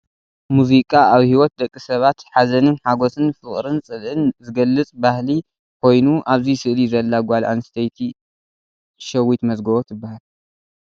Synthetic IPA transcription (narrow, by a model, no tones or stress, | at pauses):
muzikʼaaβhiwɔt̪̚d̪ɐkʼːisɐβat̪ħazɐnɨnħaɡosɨnfɨχʼɾɨnt͡sʼɨlʔɨnzɨɡɐlːɨt͡sʼbahli | kʰo̞jnuʔaβzisɨʔlizɐlːaɡʷalʔa̰nst̪ʰɐjt̪ʰi | ʃɐwːit̪mɐzɡɐβot̪ʰɨbːahal